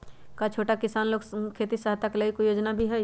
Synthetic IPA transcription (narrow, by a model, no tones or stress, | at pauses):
kat͡ʃʰoːʈakɪsaːnloːkkʰeːt̪isaɦt̪akləikojoːd͡ʒnabʱiɦɛ